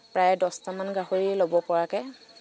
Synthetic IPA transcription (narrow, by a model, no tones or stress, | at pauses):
pɹajdɔstamanɡaɦoɹilobɔpɔɹakɛ